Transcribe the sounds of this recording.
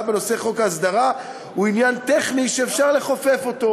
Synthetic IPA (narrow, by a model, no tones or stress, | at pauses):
beno̞se̞χo̞kaasd̪aʁa | uinjant̪eχniʃeːfʃaʁle̞χofe̞fo̞t̪o̞